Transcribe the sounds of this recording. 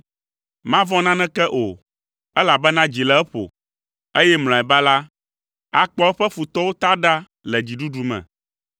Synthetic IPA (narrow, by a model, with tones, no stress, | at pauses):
mã˦vɔ̃˦nã˦nɛ̃˦kɛ˦ʔo˨ | ɛ˦la˨bɛ˦nã˦d͡ʑi˨lɛ˦ɛ˦ɸo̰˨ | e˦jɛ˦ml̃ɔ̃˨ɛ˨ba˦la˦ | a˨k͡pɔ˦ɛ˦ɸɛ˦fu˨t̪ɔ˦wo˦t̪a˦ɖa˦ | lɛ˨d͡ʑi˨ɖu˦ɖu˨mɛ̰̃˨